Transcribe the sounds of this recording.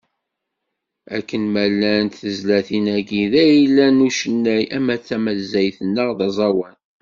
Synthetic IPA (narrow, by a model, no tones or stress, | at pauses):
ækːənmælːænt̪θəzlæθinæɡiðæjilːænuʃənːæjæmæθːæmæzːæjθənːəʁðɑzˤɑwæn